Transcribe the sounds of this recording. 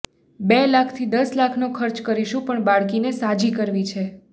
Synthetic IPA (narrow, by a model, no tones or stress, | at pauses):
belakʰt̪ʰid̪əslakʰnokʰəɾt͡ʃkəɾiʃũpəɳbaɭkinesad͡ʒikəɾʋit͡ʃʰe